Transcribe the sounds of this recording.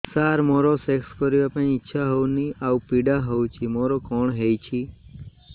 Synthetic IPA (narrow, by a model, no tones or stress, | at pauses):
saɾmɔɾosekskəɾjiapəɳ̃iːtːʃʰaɦɔwniaupiɖaɦɔwt͡ʃʰimɔɾokɔɳɦejt͡ʃʰi